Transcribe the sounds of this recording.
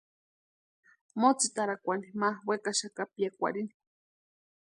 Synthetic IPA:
mot͡sit̪aɾakʷanimawekaʃakapiakʷa̰ɾini̥

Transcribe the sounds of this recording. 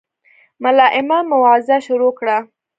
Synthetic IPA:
malɑʔɪmamʊwɑzaʃʊɾokɽa

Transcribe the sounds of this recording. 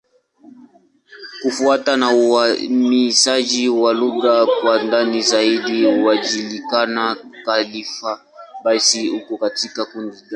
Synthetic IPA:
kufuatanauamisad͡ʒiwaluɣakwandanizaidiuwad͡ʒilikanakalifa | basihukɔkatikakundida

